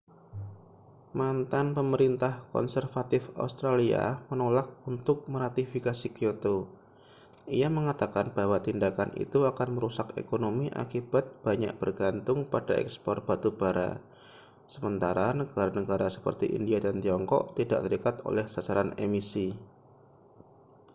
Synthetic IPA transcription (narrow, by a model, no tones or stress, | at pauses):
mant̪anpəməɾint̪ahkɔ̰nsərfat̪ɪfa̰ust̪ɾalia̰mənolak̚unt̪ʊk̚məɾat̪ifikasikiot̪o | ijaməŋat̪akanb̥awat̪indakanḭt̪uakanməɾusakḛkonomiʔa̰kib̥at̪̚b̥aɲa̰ʔ̚b̥ərɡant̪ʊŋpad̥aʔɛ̰kspɔ̰r̚b̥at̪ub̥aɾa̰ | səmənt̪aɾanəɡaɾanəɡaɾasə̥pə̰rt̪iʔḭndiadant̪iɔŋkɔ̰ʔt̪ida̰ʔt̪əɾikat̪o̰lɛhsasaɾanemisi